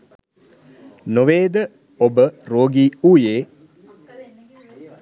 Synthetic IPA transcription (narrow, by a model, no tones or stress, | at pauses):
noʋeːd̪ə | obəɾoːɡiːuːjeː